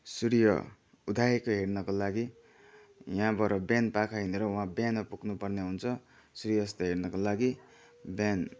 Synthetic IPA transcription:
suɾjʌ̰ | ud̪ʱaekoɦernʌkolaɡi | jãbʌɾʌbjanpakʰaɦineɾʌwãbjanʌpuknupʌrneɦunt͡sʰʌ | suɾijʌst̪ʌɦernʌkolaɡi | bjan

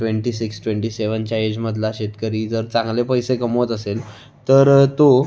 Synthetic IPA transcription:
ʈʋeɳʈiːsiksʈʋeɳʈiːseʋəɲt͡ɕjaed͡ʑməd̪ʱlaɕet̪kəɾiːd͡zəɾt͡sãŋɡlepəjsekəmot̪əsel | t̪əɾt̪o

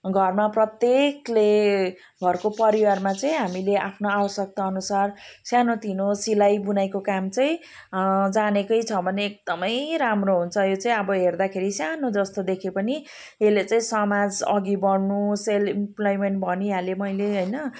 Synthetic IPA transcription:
ɡʱʌrmaprʌt̪jekle | ɡʱʌrkopʌɾiwarmat͡saĩɦamileʔapʰnoabʌsjʌk̚t̪aʌnusarsjanot̪inosilajbunajkokamt͡saĩ | d͡zanekʌjt͡sʰʌbʱʌneːk̚d̪ʌmʌjɾamroɦunt͡sʰʌjot͡saĩʌbʌɦerd̪akʰeɾisjanod͡zʌst̪od̪ekʰepʌni | elet͡saĩsʌmad͡zʌ̰ɡibʌɽnuselimplojmeɳʈ̚bʱʌniɦalemʌjleɦojnʌ

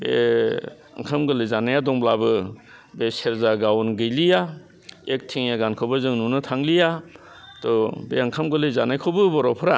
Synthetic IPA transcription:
bḛ | a̰ŋkʰamɡɯlɯzanajadɔŋblabɯ | beseɾzaɡawnɡɯjlija | ek̚tʰiŋjaɡankʰɯwbɯzɯŋnunɯtʰaŋlija | tɔbeaŋkʰamɡɯlɯzanajkʰɔwbɯbɔɾɔpʰɯɾa

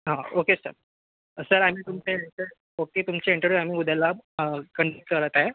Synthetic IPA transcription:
ɦãokesə̰ɾ | səɾam̤iːt̪umt͡seiɳʈəɾu | oket̪umt͡seiɳʈəɾʋjuam̤iːud̪ʱjalakəɳɖk̚ʈkəɾət̪ae

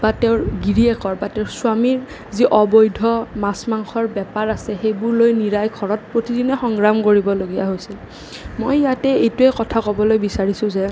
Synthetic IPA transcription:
b̥atɛʊ̃ɹɡiɹiɛkɔɹbatɛʊɹsʊamiɹ | ziʔɔbɔjdʱɔmasmaŋxʰɔɹbɛpaɹasɛxejbʊɹlojniɹajkʰɔɹɔt̚pɹotidinɛxɔŋɡɹamkoɹibɔloɡija̰ɦojsil | mojjatɛejtuɛkɔtʰakɔbɔlojbisaɹisʊ̃zɛ

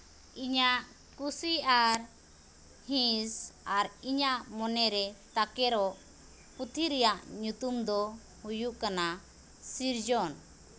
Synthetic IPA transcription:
iɲaʔ | kusiaɾ | hĩsaɾiɲaʔmɔnɛɾɛt̪akɛɾɔʔ | put̪ʰiɾɛjaʔɲut̪umd̪ɔ | hujuʔkana | siɾd͡ʒɔn

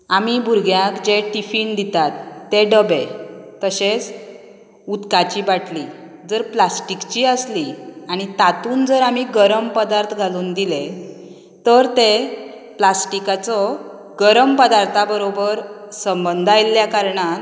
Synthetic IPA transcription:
amibʱuɾɡʱjakd͡ʑeʈifind̪it̪at̪ːeɖəbet̪əɕet͡s | ut̪kat͡ɕiːbaʈʰli | d͡zəɾplasʈikt͡ɕiːəsliaɽ̃it̪at̪uːnd͡zəɾamiɡəɾəmpəd̪aɾt̪ʰɡʱaluːnd̪ile | t̪əɾt̪e | plasʈikat͡sɔ | ɡəɾəmpəd̪aɾt̪ʰabəɾobəɾsəmbənd̪ʱajlːjakaɾɳa

